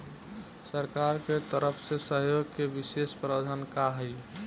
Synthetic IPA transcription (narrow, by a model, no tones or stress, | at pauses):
səɾkaɾket̪əɾəpʰsesəɦjoɡkebisespɾad͡ʒʱənkaɦəj